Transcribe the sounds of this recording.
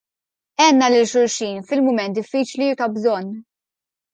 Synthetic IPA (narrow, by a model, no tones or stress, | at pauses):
ɛːnːɐlɪlʃʊɾʃiːnfɪlmʊmɛnt̪̚d̪ɪfːiːt͡ʃlijʊt̪ɐbzɔnː